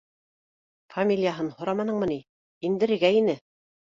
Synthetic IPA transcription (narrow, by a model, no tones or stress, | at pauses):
fɐmʲilʲjaɦɤnhŏɾɑmɑnɤ̆ɴmɤ̆ni | ind̪ɘ̆ɾɘ̆ɡæinɘ